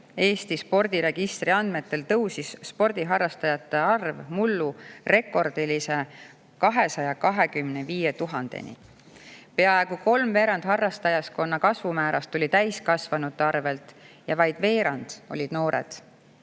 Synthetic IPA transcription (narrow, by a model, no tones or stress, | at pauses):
e̞ːst̪ispo̞rd̪̥iɾe̞ɡ̥ist̪riɑnd̪̥me̞t̪ːe̞lt̪ɤwsisːpo̞rd̪̥iɦɑrːɑst̪ɑjɑt̪ːˑe̞ɑrvmulːure̞kːˑo̞rd̪̥ilise̞ | kɑɦe̞sɑjɑkɑɦe̞kymneviːje̞t̪uɦɑnd̪e̞̰nḭ | pe̞ɑe̞ɡ̥uko̞lmve̞ːɾɑnd̪̥ɦɑrːɑst̪ɑjɑsko̞nːɑkɑsvumæːɾɑst̪olʲit̪æjskɑsvɑnut̪ːˑɑrve̞lt̪jɑvɑjd̪̥ve̞ːɾɑnd̪̥o̞̰lʲid̪̥no̞ːɾḛd̪̥